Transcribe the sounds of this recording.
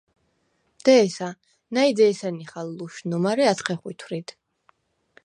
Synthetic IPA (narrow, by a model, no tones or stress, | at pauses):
d̪̥ɛːsa | naid̪ɛːsaniχalːuʃnɔmaɾɛat̪sʰχɛχwit̪ʰwɾit̪